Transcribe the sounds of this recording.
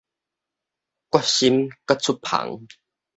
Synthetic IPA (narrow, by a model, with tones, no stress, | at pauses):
kwa˦˥ɕi˦˥mka˦t͡sʰu˦pʰa̰˨˩˦ŋ